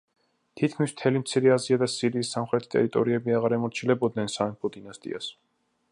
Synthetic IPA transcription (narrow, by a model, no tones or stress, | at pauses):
t̪ʰit̪̚ʰkʰmism̥t̪ʰɛlimt̪sʰiɾɛaziad̪asiɾiːsːamχɾɛt̪ʰt̪ʼɛ̰ɾit̪ʼɔɾiɛbiaʁaɾɛmɔɾt͡ʃʰilɛbɔd̪nɛnsaɛmpʰɔd̪inast̪ʼḭa̰s